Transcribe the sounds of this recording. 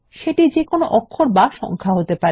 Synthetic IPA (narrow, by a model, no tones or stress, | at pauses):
ʃeʈid͡ʑekonoʔɔkʰːoɾbaʃɔ̰ŋkʰaɦot̪epa